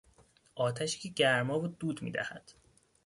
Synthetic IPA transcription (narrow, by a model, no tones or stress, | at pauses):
ʔɒːt̪ʰæʃi̥cʰeɟæɾmɒːvud̪uːd̪mḭːd̪æ̰hæd̪̥